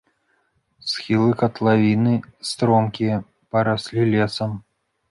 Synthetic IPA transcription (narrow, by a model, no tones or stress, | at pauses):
sxʲilˠɨkɐt̪lˠavʲinɨst̪ɾɔmkʲijɐ | pɐɾasʲlʲilʲɛsɐm